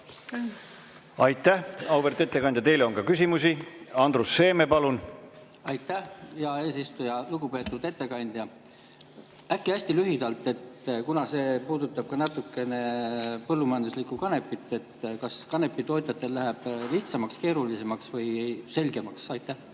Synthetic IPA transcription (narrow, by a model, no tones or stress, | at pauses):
ɑjt̪ːˑæhɑwveɾt̪e̞t̪ˑːekɑnʲd̪̥ʲjɑt̪e̞jleonkɑkys̬ʲimusiɑnd̪̥rusːe̞ːmepɑlun | ɑjt̪ːæhjɑe̞ːsist̪ujɑluɡupe̞ːt̪ːˑud̪e̞t̪ːe̞kɑnʲd̪̥jɑ | ækːiæsʲt̪ilyɦid̪̥ɑlt̪ˑːe̞t̪ːkunɑse̞ːpuːd̪ut̪ːˑɑb̥̚kɑnɑt̪ːˑukːˑe̞ne̞pɤlːumɑjɑnd̪uslikːukɑne̞pːˑit̪ːˑe̞t̪ːkɑskɑne̞pːˑit̪o̞ːt̪ʲjɑt̪ːˑe̞lːæɦeb̥liht̪sɑmɑkske̞ːɾulise̞mɑksvɤjse̞lʲɡe̞mɑksɑjt̪ːˑæh